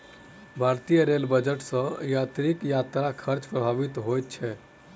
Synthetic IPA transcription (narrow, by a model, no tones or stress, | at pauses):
bʱaɾt̪ijəɾelbəd͡ʒəʈsə̃jat̪ɾikjat̪ɾakʰəɾt͡ʃpɾəbʱaʋit̪ɦojt̪̚t͡ʃʰɛ